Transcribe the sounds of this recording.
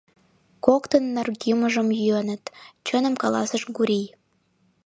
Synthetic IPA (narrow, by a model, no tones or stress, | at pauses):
kokt̪ənːərɡiməʒəmjyənə̆t̪t͡ɕənəmkɑlɑ̰səʃɡuɾij